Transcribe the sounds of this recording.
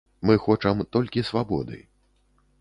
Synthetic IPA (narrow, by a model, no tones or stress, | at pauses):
mɨxɔt͡ʂɐmt̪ɔlʲkʲisvabɔ̰d̪ɨ̰